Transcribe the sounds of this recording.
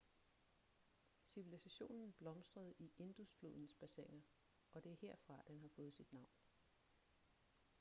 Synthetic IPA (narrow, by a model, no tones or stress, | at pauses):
siʋilisæɕo̝̰ːnn̩b̥lɒ̽msd̥ʁɐð̞̩ˠiʔe̝nd̥usflo̝ð̞̰ˠn̩sb̥æsḛɐeŋɐ | ɒ̽d̥e̝æɐhe̝ɐ̰fʁɑ̈d̥enɦɑ̈fɔ̽ːð̞̩ˠsid̥nɑ̈ʊ̰n